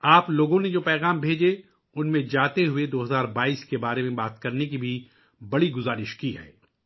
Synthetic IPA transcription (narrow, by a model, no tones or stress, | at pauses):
aːploːɡõned͡ʒoːpɛːɣaːmbʱeːd͡ʒe | ʊnmẽd͡ʒaːt̪eɦʊed̪oːɦɐzaːɾbaːiːskebaːɾemẽbaːt̪kɐɾnek̬ibʱi | bɐɽiɡʊzaːɾɪʃkiɦɛ̰ː